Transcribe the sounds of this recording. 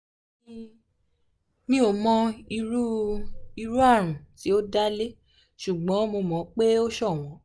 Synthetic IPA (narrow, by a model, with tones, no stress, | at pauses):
ĩ˦ | nĩ˦o˨˧˨mɔ̃˧i˧u˦i˧ɾu˦a˦˨ɾ̃ũ˨ti˨˦o˦da˦le˦ | ʃu˨ɡ͡bɔ̃˨˦mo˧mɔ̃˨˦k͡pe˦o˦ʃɔ˦˨w̃ɔ̃˨˦